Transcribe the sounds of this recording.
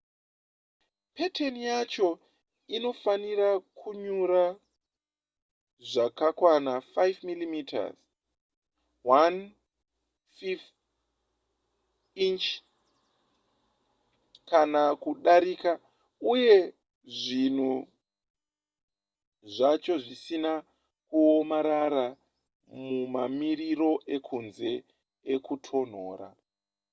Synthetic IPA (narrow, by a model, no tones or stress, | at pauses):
pe̞tʰenijat͡ʃo̞ | ino̞faniɾakʰuɲuɾa | ʐakakwanafajvmilimitʰa̰z | wan | fif | int͡ʃ | kanakuɗaɾika | uje̞ | ʐin̤u | ʐat͡ʃo̞ʐisina | kuomaɾaɾa | mumamiriɾo̞ʔe̞kʰunze̞ | ekutʰo̞n̤o̰ːɾa̰